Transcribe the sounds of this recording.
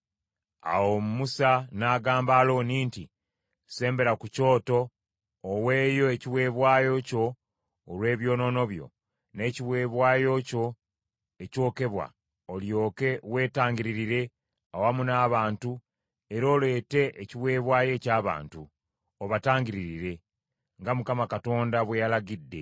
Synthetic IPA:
a̰womumusanaːɡaːmbaːlo̞ːniːnti | se̞ːmbe̞ɾakuco̞ːto̞ː | we̞ːjo̞eciwe̞ːβwaːjo̞co̞ː | lwe̞ːβjo̞ːno̞no̞βjo̞̰ | ne̞ːciwe̞ːβwaːjo̞co̞ | eco̞ːke̞βwa̰ | oljo̞ːke̞we̞ːtaːɲɡiɾiɾiɾe̞ | owamunaːβaːntu | e̞ɾo̞ːle̞ːte̞ʔːciβwe̞ːβwaːje̞ːcaːβa̰ːntu | oβataːŋɡiɾiɾiɾe̞ | ŋɡamukamakato̞ːndaβwejalaɡidːe̞̰

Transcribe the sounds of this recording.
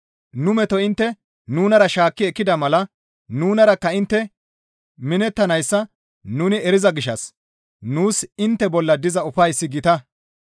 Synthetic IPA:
nʊmɛt̪ɔɪnt̪ːɛ | nuːnɐɾɐʃaːkːɪɛkːɪd̪ɐmɐlɐ | nuːnɐɾɐkːɐɪnt̪ːɛ | mɪnɛt̪ːɐnɐjsːɐ | nʊnɪɛɾɪzɐɡɪʃːɐ̰s | nuːsɪnt̪ːɛbɔlːɐd̪ɪzɐʊfɐjsːɪɡɪt̪ɐ

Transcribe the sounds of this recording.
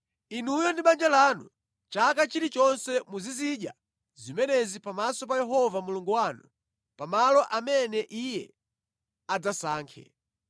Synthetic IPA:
inujɔndiɓand͡ʒalanṵ | t͡ʃak̬at͡ʃiɾit͡ʃɔnsɛmuziziɗja̰ | zimɛnɛzipamasɔpajɛɦɔvamuluŋɡuwanu | pamalɔʔamɛnɛʔijɛ̰ | ad͡zasaːŋkʰɛ̰

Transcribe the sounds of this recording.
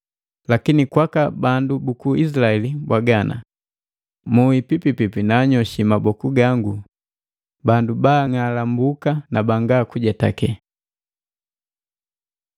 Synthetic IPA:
lakinikwakabandubukuʔis̬laɛlibwaɡanʔa̰ | muipipipipinaːɲɔʃimabɔkuɡaŋɡu | bandubaŋalambukanabaŋɡakuɟɛta̰kɛ

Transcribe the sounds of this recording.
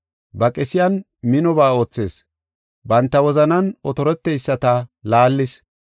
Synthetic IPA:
bɐkʼɛsɪjɐn | mɪnɔbaːo̞ːt͡sːe̞ːs | bɐnt̪ːɐwɔzɐnɐnɔt̪ɔɾɛt̪ːɛjsːɐt̪ɐlaːlːɪs

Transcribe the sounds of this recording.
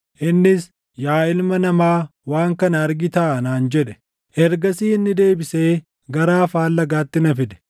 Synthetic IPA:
ʔɪnːɪs | jaːɪlmɐnɐmaːwaːŋkɐnɐɐɾɡɪt̪aːʔɐnaːnd͡ʒɛᶑɛ̥ | ʔɛɾɡɐsiːɪnːɪd̪e̞ːbɪseː | ɡɐɾaːfaːlːɐɡaːt̪ːɪnɐfɪd̪ɛ̥

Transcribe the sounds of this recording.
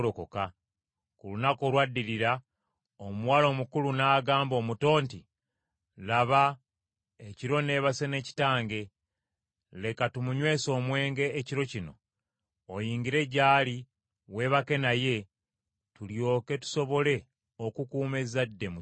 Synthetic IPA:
okoka | kulunako̞lwadːiɾiɾa | omuwaːlo̞ːmukulunaːɡaːmbo̞ːmuto̞ːnti | laβa | eciɾo̞ne̞ːβase̞ne̞ːci̥taːŋɡe̞ | le̞katumuɲwe̞ːso̞ːmwe̞ːŋɡe̞ːciɾo̞cino̞ː | jiːŋɡiɾe̞ɟaːli | we̞ːβake̞naje̞ | tuljo̞ːke̞tu̥so̞βo̞le̞ | o̞kukuːme̞zadːe̞mu

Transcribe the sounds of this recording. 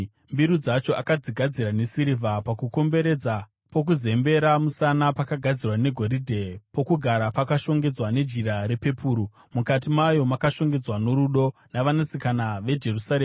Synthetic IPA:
mbiɾud͡zat͡ʃo̞ʔakad͡ziɡʱad͡ziɾanesiɾivʱapakuko̞mbe̞ɾe̞d͡za | po̞k̬uze̞mbe̞ɾamusanapakaɡʱad͡zirwane̞ɡʱo̞ɾidʱe̞po̞kuɡʱaɾapakaʃo̞ŋɡe̞d͡zwane̞d͡ʒiɾaɾe̞pe̞pʰuːɾu | mukat̬imajo̞makaʃo̞ŋɡe̞d͡zwano̞ɾuɗo̞naʋanasikanaʋe̞d͡ʒe̞rusaɾeːm

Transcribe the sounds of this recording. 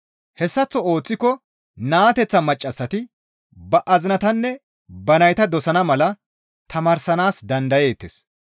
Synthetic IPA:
hɛsːɐt͡sːɔoːt͡sːɪkːɔ | naːt̪ɛt͡sːɐmɐt͡ʃʼːɐsːɐt̪ɪ | bɐʔɐzɪnɐt̪ɐnːɛ | bɐnɐjt̪ɐd̪ɔsɐnɐmɐlɐ | t̪ɐmɐːɾsɐnaːsd̪ɐnd̪ɐje̞ːt̪ːḛs

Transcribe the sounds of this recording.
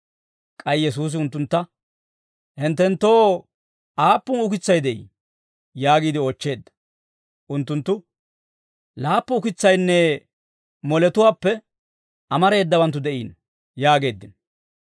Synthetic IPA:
kʼɐjjɛs̬uːs̬ɪʊnt̪ːʊnt̪ːɐ | hɪnt̪ːɛnt̪ːo̞ː | ʔaːpːʊnʊkɪt͡sːɐjd̪ɛʔḭ | jaːɡiːd̪ɪɔːt͡ʃːe̞ːd̪ːɐ̥ | ʔʊnt̪ːʊnt̪ːʊ | laːpːʊʊkɪt͡sːɐjnːɛ | mɔlɛt̪ʊwaːpːɛ | ʔɐmɐɾe̞ːd̪ːɐbɐnt̪̬ːʊd̪ɛʔiːn | jaːɡe̞ːd̪ːɪn

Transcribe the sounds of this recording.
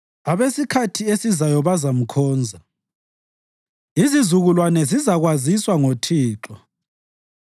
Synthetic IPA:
aβesikʰatʰiesizajɔβazam̩kʰɔːnd͡zʱa | izizuɣulwanɛzizaɣwaziswaŋotʰiːǁɔ

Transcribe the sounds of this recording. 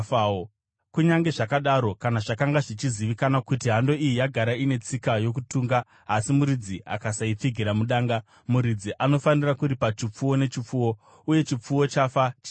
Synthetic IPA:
kuɲaŋɡe̞ʐakaɗaɾo̞kanaʐakaŋɡaʐit͡ʃiziʋikanakutiɦando̞ijijaɡʱaɾaine̞t͡sikajo̞k̬utuːŋɡaː | simuɾid͡ziʔa̰kasaip͡fiɡʱiɾamuɗaːŋɡa | muɾid͡ziʔano̞fanirakuɾipat͡ʃip͡fuwo̞ne̞t͡ʃip͡fuwo̞ | uje̞t͡ʃip͡fuwo̞t͡ʃafat͡ʃ

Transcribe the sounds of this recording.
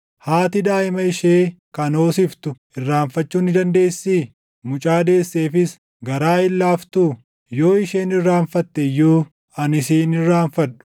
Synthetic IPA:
haːt̪ɪd̪aːʔɪmɐɪʃeːkɐno̞ːsɪft̪ʊ | ɪrːaːɱfɐt͡ʃːuːnɪd̪ɐnd̪e̞ːsːiː | mʊt͡ʃʼaːd̪e̞ːsːeːfɪs | ɡɐɾaːhɪlːaːft̪uː | jo̞ːɪʃeːnɪrːaːɱfɐt̪ːɛjuː | ɐnɪsiːnɪrːaːfɐᶑʊ̥

